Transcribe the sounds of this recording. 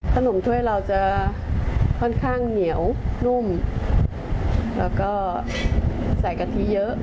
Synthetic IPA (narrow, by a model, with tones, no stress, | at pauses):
t̪ʰaː˧˩no˧˩˦mt̪ʰwuː˧jla˨˩wt͡ɕa˧˩ | kɔː˧˩nkʰaː˧ŋni˧˩˨əwnu˧˩m | laː˨˩kɔ˨˧˥ | saː˨˩jkaː˨˩t̪ʰi˨˦zəː˨˦˥